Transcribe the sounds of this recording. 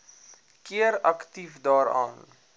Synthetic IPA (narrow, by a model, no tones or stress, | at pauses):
kiəɾɐ̰ktifdɑːɾɑ̰ːn